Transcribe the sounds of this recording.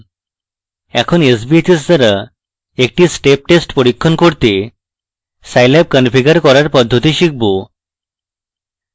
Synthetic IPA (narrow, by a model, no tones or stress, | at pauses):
ɛkʰonesbiet̪is̬d̪aɾa | ek̚ʈisʈep̚ʈesʈpoɽikʰːonkoɾt̪e | sajlɛb̚kənfiɡəɾkɔɾaɾpɔd̪ʱːot̪iɕik̚ʰbo